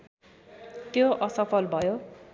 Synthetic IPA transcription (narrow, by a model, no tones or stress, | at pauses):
t̪joʔʌsʌpʰʌlbʱʌjo